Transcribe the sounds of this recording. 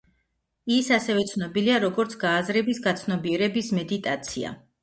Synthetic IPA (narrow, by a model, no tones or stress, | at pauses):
isasɛvɛt̪sʰnɔbiliaɾɔɡɔɾt̪sʰɡaːzɾɛbisɡat̪sʰnɔbiɛɾɛbismɛd̪it̪ʼat̪sʰia̰